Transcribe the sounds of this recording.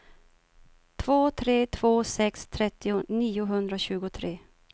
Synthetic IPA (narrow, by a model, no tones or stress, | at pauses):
t̪ʰv̥oːt̪ʰɾeːt̪ʰv̥oːsɛkst̪ʰɾɛt̪ːɪʊniːʊɦɵnd̪ɾaɕʉ̟ːɡʊt̪ʰɾeː